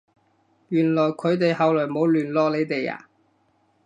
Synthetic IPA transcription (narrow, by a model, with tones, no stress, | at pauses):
ɥyː˨˩nlɔː˨˩jkʰɵ˨˧ɥt̪e˨jhɐ˨wlɔː˨˩jmo˨˧˥wlyː˨˩nlɔː˨˧le˨˧jt̪e˨ja̰ː˨˩